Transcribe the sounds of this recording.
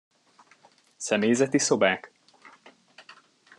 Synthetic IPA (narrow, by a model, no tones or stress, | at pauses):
sɛmejzɛt̪iso̞baːk